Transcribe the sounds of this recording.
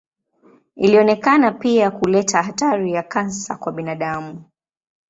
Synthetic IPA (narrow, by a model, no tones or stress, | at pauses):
iliɔnɛkanapiakulɛtʰahataɾijakansa̰kwaɓinaɗamu